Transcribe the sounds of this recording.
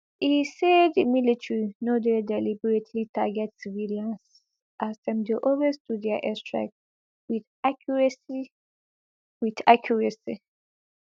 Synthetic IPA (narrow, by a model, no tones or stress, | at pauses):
isedimilitɹinodedɛlibɛɹetʰlitʰaɡɛtsiviliãns | ʔasdɛ̃mdeʔowesduddɛaʔɛstɹa̰k̚ | wid | akʰɹɛsi | witakʰjɔɹɛsi